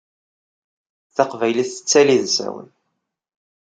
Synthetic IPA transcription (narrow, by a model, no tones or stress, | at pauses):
θɑqvæjliθə̥t͡sːæliðzæ̰wə̰n